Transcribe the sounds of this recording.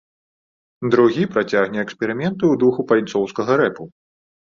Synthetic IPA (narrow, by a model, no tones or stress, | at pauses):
d̪ɾuɣʲipɾat͡sʲaɣnʲɛːkspʲɛɾɨmʲɛnt̪ɨud̪uxupalʲt̪sɔwskɐɣɐɾɛpu